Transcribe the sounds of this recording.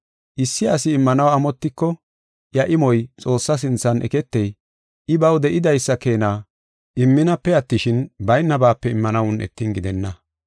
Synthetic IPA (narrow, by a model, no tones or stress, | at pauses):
ʔɪsːɪɐsɪːmːɐnɐwːmɔt̪ːɪkːɔ | jɐʔɪmɔjt͡sʼo̞ːsːɐs̬ɪnt͡sːɐnʔɛ̰kɛt̪ːɛj | ʔɪbɐwd̪ɛʔɪd̪ɐjsːɐke̞ːnaː | ʔɪmːɪnɐpːɛɐt̪ːɪʃɪnbɐjnːɐbaːpːɛɪmːɐnɐwʊnɛ̰t̪ːɪnɡɪd̪ɛnːɐ